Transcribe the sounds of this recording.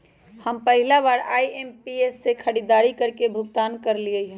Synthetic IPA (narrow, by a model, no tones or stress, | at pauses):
həmpəɦɪlabaːɾaːiempiesːekʰəɽid̪aːɾikəɾkebʱʊɡt̪aːnkəɾliəɦũ